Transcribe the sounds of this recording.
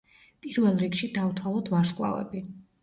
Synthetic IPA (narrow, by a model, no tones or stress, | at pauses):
pʼiɾvɛlˠɾikʃid̪avut̪ʰwalˠɔt̪ʰvaɾskʼlˠa̰vɛ̰bi